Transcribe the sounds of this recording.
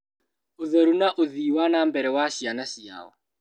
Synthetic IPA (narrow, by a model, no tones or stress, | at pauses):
oðɛɾunaʔoðiwanambɛɾɛwaʃianasia̰wɔ̰